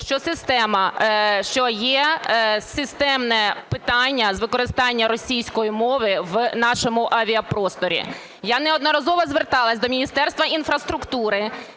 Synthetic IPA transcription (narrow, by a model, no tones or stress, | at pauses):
ʃt͡ʃɔsɪst̪ɛmɐʃt͡ʃɔjɛsɪst̪ɛmnɛpɪt̪ɑnʲːɐzʋɪkɔɾɪst̪ɑnʲːɐɾɔsʲijsʲkɔjimɔʋɪʋnɑʃɔmʊʔɐʋʲiɐpɾɔst̪ɔɾʲḭ | janɛɔd̪nɔɾɐzɔʋɐzʋert̪ɑlˠɐsʲd̪ɔmʲinʲist̪ɛrst̪ʋɐinfɾɐst̪ɾʊkt̪uɾɪ